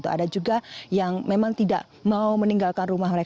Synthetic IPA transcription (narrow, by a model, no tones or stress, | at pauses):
t̪ua̰dad͡ʒuɡajaŋmemaŋt̪ida̰ʔ | mauməniŋɡalkanrumahməɾek